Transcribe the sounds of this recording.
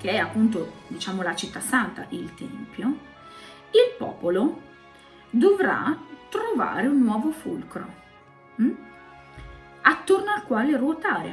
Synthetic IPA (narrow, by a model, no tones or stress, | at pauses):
k̟eɛapːunt̪od̪it͡ʃaːmolat͡ʃit̪ːasːant̪a̰ʔilt̪ɛ̰mpjo | ilpɔ̰ːpolo | d̪ovɾa̰t̪ɾova̰ːɾeunːwɔːvofṵlkɾo̰ | m̩ | at̪ːornoalkwaːlerwot̪aːɾḛ